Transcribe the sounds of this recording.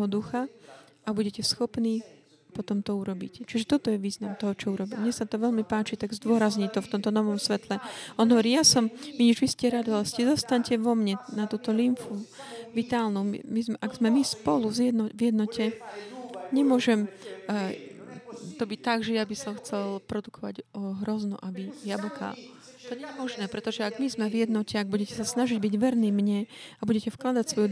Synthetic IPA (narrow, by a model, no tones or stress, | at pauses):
ɦɔd̪uxa | abuɟɛcɛsxɔpniː | pɔt̪ɔmt̪ɔuɾɔbḭct͡ʃiʒɛt̪ɔt̪ɔjɛʋiːznamt̪ɔɦɔt͡ʃɔuɾɔbimɲɛsat̪ɔʋɛʎmipaːt͡ʃit̪aɡzd̪ʊɔɾazɲit̪ɔft̪ɔmt̪ɔnɔʋɔmsʋɛt̪lɛʔɔnɦɔʋɔɾiːjasɔmmiɲɛʒʋiscɛɾad̪ialɛscɛzɔst̪aɲcɛʋɔmɲɛnat̪uːt̪ɔlimfuʋit̪aːlnumḭmizmɛʔaɡz̥mɛmispɔluvzjɛd̪nɔvjɛd̪nɔcʰɛ | ɲɛmʊɔʒɛm | t̪ɔbic̚t̪aɡʒɛjabisɔmxt͡sɛlpɾɔd̪ukʰɔʋa̰ɟɦɾɔznṵʔabijablɔkʰa̰ | t̪ɔɲɛɛmɔʒnɛːpɾɛt̪ɔʒɛaɡmizmɛʋjɛd̪nɔcɛaɡ̚buɟɛcɛsasnaʒiɟbiɟʋɛɾniːmɲɛabuɟɛcɛfklad̪acsʋɔju